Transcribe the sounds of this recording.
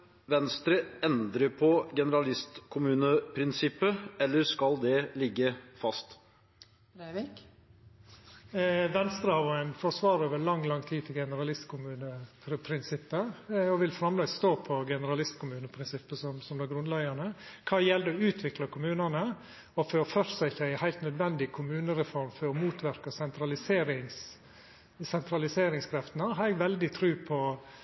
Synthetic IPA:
ʋɛnst̪ɾəɛnd̪ɾəpʰɔɡɛnəɾɑlɪst̪kʰʊmʉːnəpʰɾɪnsɪpːəɛlːəɾʂkɑld̪ɛlɪɡːəfɑst̪ | ʋɛnst̪ɾəhɑʋɛnfɔsʋɑːɾoːʋəɭɑŋːlɑŋːt̪ʰiːt̪ʰɪlɡɛnəɾɑlɪst̪kʰʊmʉːnə | pʰɾɪnsɪpːəɔʋɪlfɾɑmlɑɪst̪oːpʰɔɡɛnəɾɑlɪst̪kʰʊmʉːnəpʰɾɪnsɪpːəsɔmsɔmd̪æɡɾʉnlæɡɑnəkʰɑːjɛld̪ɛɔʉːt̪ʰʋɪklɑkʰʊmʉːnənə | ɔfɔɾɔfœɾsɑɪçːəæɪhæɪlt̪nœd̪ʋɛnd̪ɪkʰʊmʉːnəɾɛfɔɾmfɔɾɔmuːt̪ʰʋæɾkɑsɛnt̪ɾɑlɪseːɾɪŋs | sɛnt̪ɾɑlɪseːɾɪŋskʰɾɛft̪ənəɦɑɛɡʋɛld̪ɪt̪ʰɾʉːpʰɔ

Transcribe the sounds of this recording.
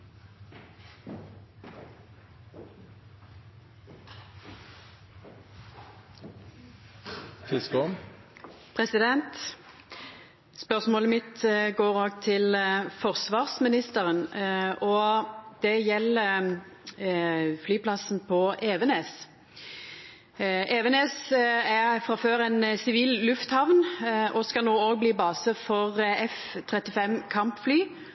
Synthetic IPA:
fɪskʊn | pʰʁɛsɪd̪ɛnt̪ | spœʁsmoːləmɪt̪ɡoːʁoːɡt̪ʰɪlfɔʁsʋɑːʁsmɪnɪst̪əʁənɔd̪̥ɛjɛlːə | flyːpʰlɑsn̩pʰɔʔeːʋɛneːs | ʔeːʋɛneːsæfɾɑføːʁɛnsɪʋiːllʉft̪hɑʋnɔskɑlnoːoːɡ̚bliːbɑːsəfɔʁɛf | t̪ʰʁɛt̪ɪfɛmkʰɑmpflyː

